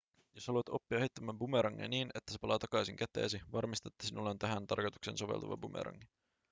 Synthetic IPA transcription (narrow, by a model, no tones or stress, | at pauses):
joshɑluɑt̪o̞pːiɑeit̪ːæmæmbumeɾɑŋːḛniːnet̪ːæ̥se̞pɑlɑːt̪ɑkɑjsiŋket̪ˑḛːsiʋɑrmist̪ɑt̪ːæ̥sinulːeont̪æɦænt̪ɑ̰rkojt̪u̥ksḛnso̞ʋḛlt̪ɑʋɑ̰bumḛɾɑ̰ŋːi